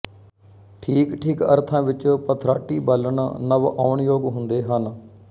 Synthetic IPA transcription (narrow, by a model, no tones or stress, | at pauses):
ʈʰiːkʈʰiːkə̰ɾt̪ʰãːʋɪt͡ʃpət̪ʰɾaːʈiːbələɳnəʋa̰ːʊɳjoːɡɦʊnd̪eːɦən